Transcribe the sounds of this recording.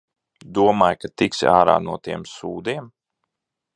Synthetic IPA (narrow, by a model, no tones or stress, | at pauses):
d̪uɔmaːjkat̪iksaːɾa̰ːnuɔt̪iɛmsuːd̪iɛm